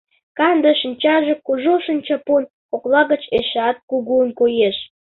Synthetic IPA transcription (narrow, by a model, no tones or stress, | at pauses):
kɑnd̪ə̆ʃənt͡ɕɑʒĕkuʒoʃənt͡ɕɑpon | oklɑɣət͡ɕeʃɑt̪̚kuɣuənkojeʃ